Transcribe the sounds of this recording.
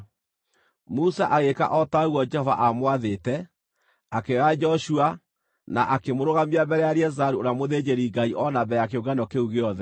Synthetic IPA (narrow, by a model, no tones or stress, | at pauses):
musaʔaɣeka̰ʔɔtaɣwɔd͡ʒɛhɔva̰ʔamwaðetɛ | akead͡ʒɔʃua | naʔakemoɾoɣamiabɛɾɛjaɾeɛzaɾuonamoðed͡ʑeɾiŋɡaiʔɔnabɛakeoɡanɔkeuɣeɔðɛ